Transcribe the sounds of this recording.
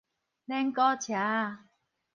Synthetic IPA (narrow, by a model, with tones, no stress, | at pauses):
nɛ˦˥ŋkɔ˦˥t͡ɕʰa˨˦